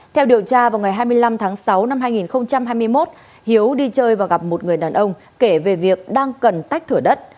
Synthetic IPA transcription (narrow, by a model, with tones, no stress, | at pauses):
t̪ʰɛ˧wɗi˨˩əwt͡ɕaː˧vaː˨˩wŋa˨˩jɦaː˧jmɨ˧əjla˧mt̪ʰaː˨˦ŋsa˨˦wna˧mɦaː˧jŋi˨˩nxə˧wŋ͡mt͡ɕa˧mɦaː˧jmɨ˧əjmo˦˥t̚ | hi˨˦əwɗi˧t͡ɕəː˧jvaː˨˩ɣa˨˩p̚mo˨˩t̚ŋɨ˨˩əjɗaː˨˩nʔə˧wŋ͡m | ke˧˩ve˨˩vi˨˩ək̚ɗaː˧ŋkə˨˩nt̪a˦˥jk̟̚t̪ʰɨ˧˩əɗə˦˥t̚